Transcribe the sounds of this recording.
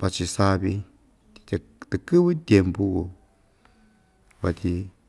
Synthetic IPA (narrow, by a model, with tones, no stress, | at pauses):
pa˧t͡ʃi˧sa˧βi˧ | t̪i̥˧t̪ | t̪ɨ˨kɨ˦βɨ˦t̪ʲje˧mpu˦ɣu˧ | βa˧t̪ʲi˧